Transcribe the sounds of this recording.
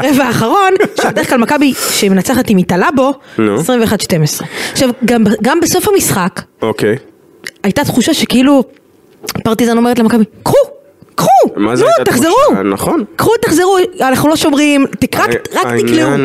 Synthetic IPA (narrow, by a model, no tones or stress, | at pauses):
ʁevaːχaʁo̞nʃebedeklalmakabiʃemenat͡saχatimitalabo̞nuesʁimveχad̪ʃte̞mesʁeaχʃavɡambaɡambeso̞fhamisχakokej | ajtat̪χuʃaʃe̞keilu | paʁt̪izano̞me̞et̪̬lemakabikʁu | kʁumnut̪aχzeʁunaχonkʁut̪aχzeʁuanaχnulo̞ʃo̞mʁimtikʁakʁakt̪ikliu